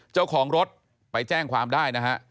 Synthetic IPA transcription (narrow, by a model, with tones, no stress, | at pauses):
t͡ɕa˥˩wkʰɔː˩˦ŋɾo˦˥t̪̚ | pa˧jt͡ɕɛː˥˩ŋkʰwaː˧mdaː˥˩jna˦˥kʰa˦˥ʔ